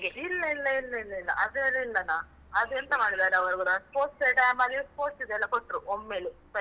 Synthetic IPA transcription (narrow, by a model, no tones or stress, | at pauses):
ɡeilːɐilːɐilːɐilːɐilːɐ̰ʔɐd̪elɐilːɐnɐ | ɐd̪uent̪ɐmaːɽid̪aːɾeɐʋɐɾuɡuɾɐspoːʈseʈaːmɐlipoːsid̪ɛlːɐkoʈːɾuʔomːeːlesɐ